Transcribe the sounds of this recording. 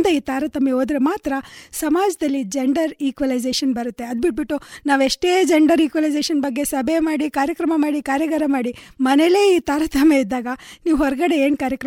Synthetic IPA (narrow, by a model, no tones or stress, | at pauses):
nd̪ɐiːt̪aːɾɐt̪ʰɐmeɦoːd̪ɾemaːt̪ɾɐsɐmaːd͡ʒɐd̪ɐlːid͡ʒeɳɖɐɾiːkʋɐlɐjd͡ʒeːʃɐnbɐɾut̪ːe̞ɐd̪biʈ̚biʈːunaːʋeʂʈe̞ːd͡ʒeɳɖɐɾiːkʋɐlɐjd͡ʒeːʃɐnbɐɡːe̞sɐbʱemaːɽikaːɾjɐkɾɐmɐmaːɽikaːɾjɐɡaɾɐmaːɽimɐnɛle̞ːiːt̪aːɾɐt̪ʰɐmeid̪ːaːɡɐniːʋɦɔɾɡɐɽe̞eːnkaːɾjɐkɾɐ